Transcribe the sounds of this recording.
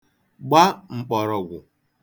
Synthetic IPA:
ɡ͡ba˦ŋ͡m̩˨k͡pɔ˨ɾɔ˨ɡʷʊ˨

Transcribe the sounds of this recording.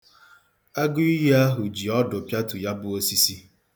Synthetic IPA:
a˦ɡʊ˦i˦ɦe˦a˦ɦʊ˨d͡ʒi˨ɔ˦dʊ˨pja˦tʊ˨ja˦bʊ˦o˦si˦si˦

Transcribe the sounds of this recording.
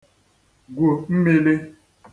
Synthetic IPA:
ɡʷo˨m̩˦me˦le˦

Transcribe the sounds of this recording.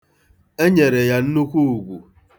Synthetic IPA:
e˦ɲe˨ɾe˨ja˦n̩˦nu˦kʷu˦u˨ɡʷu˨

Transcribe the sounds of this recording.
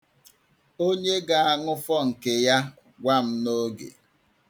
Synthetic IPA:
o˦ɲe˦ɡa˨a˦ŋʊ˦fɔ˦ŋ̩˨ke˨ja˦ | ɡʷa˦m̩˦no˦ɡḛ˨

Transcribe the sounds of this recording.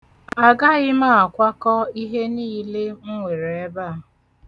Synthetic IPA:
a˨ɡa˦ɣɪ˦ma˦a˨kʷa˦kɔ˦i˦ɦe˦niː˦le˦ŋ̩˦ŋʷe˨ɾe˨e˦ba˦˨˦

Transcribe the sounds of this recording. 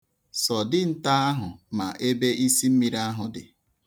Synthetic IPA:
sɔ˨dɪ˦n̩˦ta˦a˦ɦʊ˨ma˨ʔe˦be˦ʔi˦si˦m̩˦mi˨ɾa˦ɦʊ˨dɪ̰˨

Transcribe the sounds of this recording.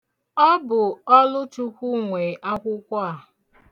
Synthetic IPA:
ɔ˦bʊ˨ɔ˦lʊ˦tu˦kʷu˦ŋʷe˨ʔa˦kʷʊ˦kʷa˦a˦˨

